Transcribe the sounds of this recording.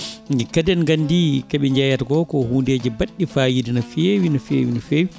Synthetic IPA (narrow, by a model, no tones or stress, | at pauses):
ɛkadɛnɡandikaɓɛɲd͡ʒajatɡɔkɔhuːndeːd͡ʒɛbaɗːifaːjidinafewinafḛːwinɔfeːwi